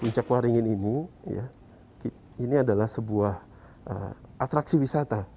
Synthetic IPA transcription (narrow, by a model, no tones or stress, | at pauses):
puɲt͡ʃakwaɾiŋɪninija̰ | ki | iniadalahsəbuah | ʔə̰at̪ɾaksiwisat̪a